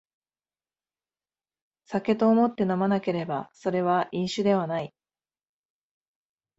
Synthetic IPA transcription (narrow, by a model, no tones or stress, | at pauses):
sake̞t̪o̞ːmo̞t̪ːe̞namanake̞ɾe̞baso̞ɾe̞βaʔĩɰ̃ɕɨd̪e̞β̞anai